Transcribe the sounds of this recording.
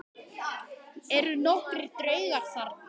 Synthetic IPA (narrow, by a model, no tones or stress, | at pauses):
ɛɾʏnɔhkɾɪɾ̥t̪ɾœːɥɣasaɾt̪